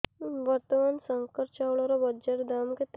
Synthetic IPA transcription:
ʋəɾt̪əmansəŋkəɾt͡ʃawɭɔɾɔbəd͡ʒeʈd̪amket̪

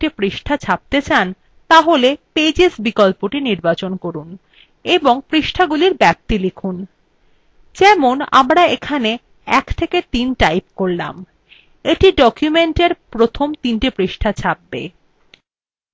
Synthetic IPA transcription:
ʈipɾiʃʈʰat͡ɕʰap̚t̪et͡ɕan | t̪aɦoleped͡ʑesbikɔlpoʈiniɾbat͡ɕonkoɾun | eboŋpɾiʃʈʰaɡuliɾbɛp̚t̪ilekʰun | d͡ʑɛmona̰mɾaekʰane | ɛ̰kt̪ʰeket̪inʈajpkoɾla̰m | eʈiɖɔkjumeɳʈeɾpɾot̪ʰomt̪inʈipɾiʃʈʰat͡ɕʰab̚bḛ

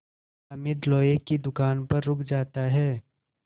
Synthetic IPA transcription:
ɐmɪd̪lɔːjekid̪ʊkaːnpɐɾːʊkʰd͡ʒaːt̪aɦɛː

